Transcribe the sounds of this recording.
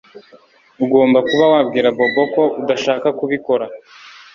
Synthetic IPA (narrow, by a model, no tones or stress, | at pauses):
uɡo̞ːmbakuβawabɡiːɾabo̞bo̞ko̞ʔudaʃaːkakuβiko̞ɾa